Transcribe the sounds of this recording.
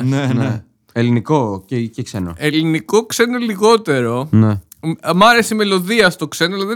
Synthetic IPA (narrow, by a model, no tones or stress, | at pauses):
nene | elinikocecekseno̰eliniko̞kse̞noliɣo̞t̪e̞ɾo̞ne | mɐɾe̞sime̞lo̞ðiɐst̪o̞kse̞nolɐði